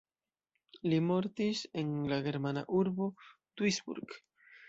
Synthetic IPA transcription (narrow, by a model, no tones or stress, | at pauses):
limo̞ɾt̪iseŋlaɡe̞ɾmana̰ʔuɾbo | t̪wisbṵɾɡ